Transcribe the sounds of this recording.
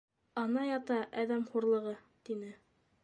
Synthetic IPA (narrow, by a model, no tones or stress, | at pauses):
ɑnɑjɑt̪ɑʔæðæmχuɾlˠɤ̆ʁɤ | t̪inɘ